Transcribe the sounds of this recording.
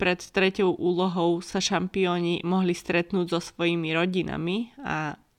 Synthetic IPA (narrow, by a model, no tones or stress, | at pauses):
pɾɛt̪t̪ɾɛcɔʊʔuːlɔɦɔʊsaʃampiɔːɲimɔɦlist̪ɾɛt̪nuːɟzɔsʋɔjimiɾɔɟina̰mia